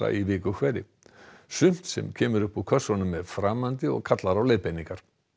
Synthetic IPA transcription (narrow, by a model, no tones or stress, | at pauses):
a̰ivɪːkʏkʰvɛːɾɪ | sʏm̥t̪sɛ̰mcʰɛːmʏɾʏhpukʰœ̥sɔnʏmːɛðfɾaːmant̪ɪɔ̰ɣkʰat̪laɾawleːjðpejniŋkaɾ̥